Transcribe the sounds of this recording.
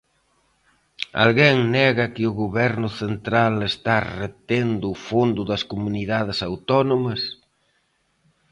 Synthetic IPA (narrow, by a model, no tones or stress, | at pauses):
a̰lɣeŋnɛɣɐkɪʊɣoβɛɾnʊθent̪ɾalest̪aret̪end̪ʊːfond̪ʊðɐskomuniðaðɪsawt̪ɔnomɐs